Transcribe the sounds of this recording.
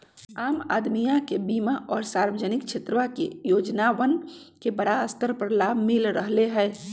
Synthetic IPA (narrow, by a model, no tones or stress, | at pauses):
aːma̰ːd̪mijakebimaʔɔːɾsaɾʋəd͡ʒənɪkt͡ʃʰet̪ɾəʋakḛjoːd͡ʒnaʋən | kebəɽaəst̪əɾpɾəlaːbmilɾəɦleɦɛɪ